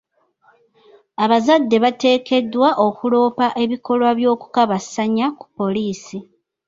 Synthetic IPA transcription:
aβazadːe̞βate̞ːke̞dwaʔo̞kulo̞ːpaʔe̞βiko̞lwaβjo̞ːku̥kaβasaɲaku̥pːo̞liːsi

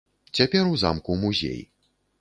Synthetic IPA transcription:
t͡sʲapʲɛɾuza̰mkumuzʲḛj

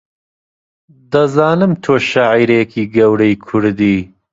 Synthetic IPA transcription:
d̪ɐzɑːnɨmt̪ʰoːʃaʕiːɾekʰiːɡɐwɾɐjkʰʊɾd̪iː

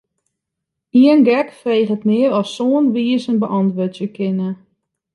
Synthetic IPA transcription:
iənɡɛkfreːχətmɪəɾɔsːoːənʋiːəsənbəʔɔntʋøtjəkʰɪnə

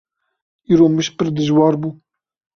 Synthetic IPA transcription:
iːɾoːmɨʃpɨɾd̪ɨʒwɑːɾbuː

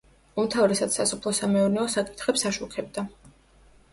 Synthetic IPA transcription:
umt̪ʰavɾɛsat̪sasɔpʰlˠɔsamɛuɾnɛɔsakʼi̥t̪ʰχɛpsaʃukʰɛbd̪a

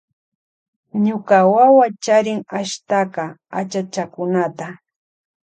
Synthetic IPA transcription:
ɲʊkawawat͡ʃaɾɪŋaʃt̪akɑat͡ʃat͡ʃakʊnat̪a

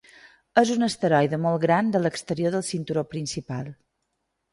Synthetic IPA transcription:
əzunəst̪əɾɔjðəmɔlˠɣɾand̪ələkst̪əɾioðəlˠsint̪uɾopɾinsipalˠ

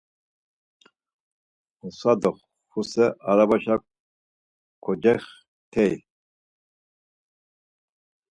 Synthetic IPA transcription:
usad̪ɔχ | fusɛʔaɾabaʃa | kʰɔd͡ʒɛχ | t̪ʰɛj

